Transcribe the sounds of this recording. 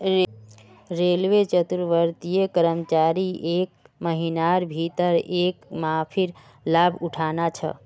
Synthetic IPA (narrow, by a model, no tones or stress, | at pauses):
ɾelʋet͡ʃət̪uɾʋəɾt̪ijekəɾəmt͡ʃaɾiʔek̚məɦinaɾbʱit̪əɾekmãpʰiɾ | labʱuʈʰanat͡ʃʰə̰